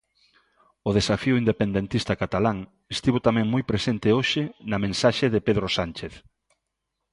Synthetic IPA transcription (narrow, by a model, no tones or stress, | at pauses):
oð̞esafiʊind̪epend̪ẽnt̪ist̪akat̪alaŋ | est̪iβot̪amɛ̃ŋmojpɾesent̪ɪoʃɪnɐmẽnsaʃeðepeðɾosant͡ʃeθ